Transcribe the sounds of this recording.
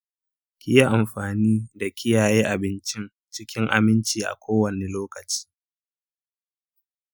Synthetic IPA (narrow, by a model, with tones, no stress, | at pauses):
kʲɪ˦ja˦ʔa˨mɸaː˨niː˦da˨kʲʰɪ˦jaː˨jeː˦ʔa˨bɪ˦nt͡ʃɪ˦n | t͡ʃɪ˦kʲɪ˦ŋʔa̰˨mɪ˦nt͡ʃiː˨ʔa̰˨kʷʰoː˦wɐ˨ne˨loː˦kɐ˨t͡ʃi̥ː˦